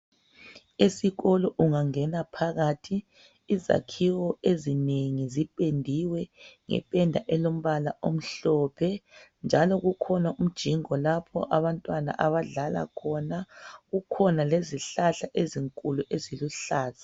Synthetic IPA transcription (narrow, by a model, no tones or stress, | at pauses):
esiɣɔlɔʔuŋaŋɛnapʰaɣaːtʰiː | za̰kʰiwɔezineŋizipʼendʱiwɛŋɛ̰pʼɛndʱa̰ʔɛlom̩βalaʔom̩ɬɔːpʰɛnd͡ʒʱalɔɣukʰɔnaum̩d̥ʒ̥ʱiŋɔlapʰɔ̰ʔaβantʼwana̰ʔaβaɮala̰kʰɔnaɣukʰɔnaleziɬaɬaʔeziŋkʼuluʔeziluɬaːzḁ